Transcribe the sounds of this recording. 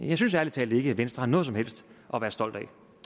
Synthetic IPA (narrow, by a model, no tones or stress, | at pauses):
jɑ̈ɪsynsæɐlit͡sʰɛːld̥e̝ɡ̥əæʋensd̥ʁɐhɑnɔðˠsɒ̽mhel̰sd̥ʔɒ̽ʋæːɐsd̥ɒ̽l̰d̥æɪ